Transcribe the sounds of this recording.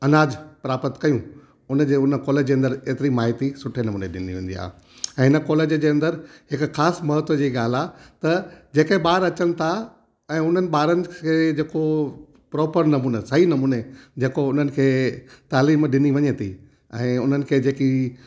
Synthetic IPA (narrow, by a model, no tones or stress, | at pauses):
ɐnaːd͡ʑpɾaːpət̪kɐjũ | ʊnəd͡ʑeːʊnə̆kɔːled͡ʑd͡ʑeːɐ̃nd̪əɾeːt̪ɪɾimaːɦt̪isʊʈʰenɐmũːneɗɪnd̪iʋẽːn̆d̪ḭa̰ː | ɛ̃ːɦɪnə̆kɔːleːd͡ʑəd͡ʑeːɐ̃nd̪əɾɦɪkxaːsmɐɦət̪ʋəd͡ʑiːɠaːl̤aːt̪ɐd͡ʑeːkeɦeɓaːɾɐt͡ɕənɪ̆t̪ʰa | ɛ̃ːʊn̤ənɪ̆ɓaːɾənɪ̆kʰeːd͡ʑeːko | pɾɔːpəɾnɐmũːnəsɐɦinɐmuːned͡ʑeːkoʊn̤ənɪ̆kʰeːt̪aːliːmɗɪniʋɐɲət̪ʰḭ | ɛ̃ːʊnənɪ̆kʰeːd͡ʑeːki